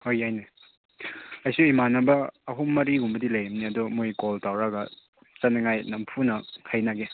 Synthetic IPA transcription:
hojajne | ɐjsuimanɐbɐːɦumːɐɾiɦumbɐdilɐjɐmniɐdumojkoltawɾɐɡɐ | t͡ʃɐnɐŋajnɐmpʰunɐkʰajnaɡe

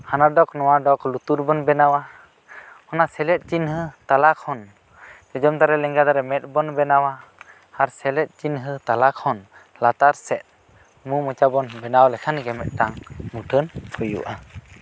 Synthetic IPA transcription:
hanaɖɔknɔwaɖɔklut̪uɾbɔnbɛnawa | hɔnasɛlɛt̪̚ˀt͡ʃinɦət̪alakhɔn | d͡ʒɔd͡ʒɔmt̪aɾɛlɛŋɡad̪aɾɛmɛt̪̚ˀbɔnbɛnawa | haɾsɛlɛt̪̚ˀt͡ʃinɦɨt̪alakhɔn | lat̪aɾsɛt̪̚ | mumɔt͡ʃabɔnbɛnawlɛkʰanɡɛmɛt̪̚ˀʈaŋmuʈʰənkʰɔjṵʔa

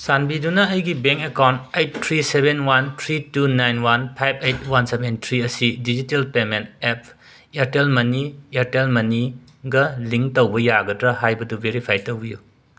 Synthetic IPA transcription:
sanbidunɐːjɡibeŋkekawntejttʰːɾisebenwantʰɾitunajnwanpʰajbʰejt̚wansebentʰɾiɐsidid͡ʒitelpementep̚ | eɾtelmɐnieɾtelmɐni | ɡɐliŋktowbɐjaɡɐdɾɐɦajbɐdubeɾipʰajtowbiju

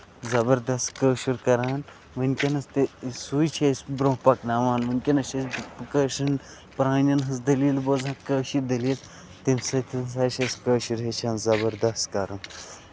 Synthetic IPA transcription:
zɐbɐɾd̪ɐst̪kəːʃuɾkɐɾaːn | ʋɐnʲkʲɐnɐst̪isuːjt͡ʃʰɐsʲbɾõːpɐknaːʋaːnʋɐnʲkʲenɐʃʰɐsʲkəːʃɐn | pɾaːnʲɐnɦɐzd̪ɐliːlbozãːkəːʃid̪ɐliːl | t̪imsɐt̪ʰisaːʃɐsʲkəːʃuɾɦet͡ʃʰaːnzɐbɐɾd̪ɐst̪kɐɾɐn

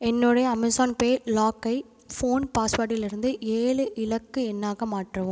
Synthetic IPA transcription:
ɛnːoːɽɐjɐɐmɪsaːnpeːlaːkːɐɪ | foːnpaːspaːʈːɪlɪɾɯnd̪ɯʔeːɭɯʔɪlɐkːɯɛnːaːɣɐmaːʈːrɐʋʊ̃m

